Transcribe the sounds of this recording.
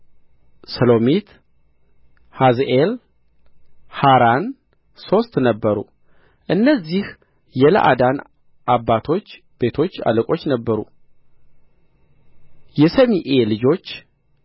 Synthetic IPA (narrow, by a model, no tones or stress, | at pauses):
səlo̞mit̪ | hazʔel | haɾan | so̞st̪nəbːəɾṵ | ʔɨnːəzːih | jɛlə̰ʔa̰d̪an | ʔabːat̪ʰo̞t͡ʃː | b̥e̞t̪ʰo̞t͡ʃːa̰ləkʼo̞t͡ʃːnəbːəɾṵ | jɛsəmiʔe̞lɨd͡ʒo̞t͡ʃː